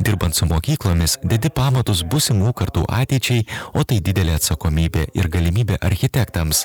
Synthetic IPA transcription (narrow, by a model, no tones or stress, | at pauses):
d̪ʲɪɾbɐnt̪sʊmoːkʲiːklˠoːmʲɪsd̪ʲɛd̪ʲɪpɑːmɐt̪ʊsbʊsʲɪmuːkɐɾt̪ṵːʔɑ̰ːt̪ʲɛɪt͡ʃʲɛɪoːt̪ɐɪd̪ʲɪd̪ʲɛlʲeːɐt̪sɐkoːmʲiːbʲeːʔɪ̰ɾɡɐlʲɪmʲiːbʲeːʔɐɾʲxʲɪt̪ʲɛkt̪ɐms